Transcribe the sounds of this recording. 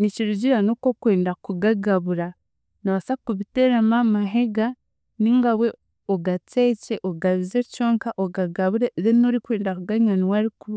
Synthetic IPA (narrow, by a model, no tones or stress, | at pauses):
niciɾuɟiɾanokokwe̞ːndakuɡaɡaβuɾa | naβasakuβiteɾamamaɦe̞ɡa | niŋɡawe̞ | oɡat͡seceʔoɡaβizeco̞ːŋkaʔoɡaɡaβuɾeðenoɾikwe̞ːndakuɡaɲaniwaɾiku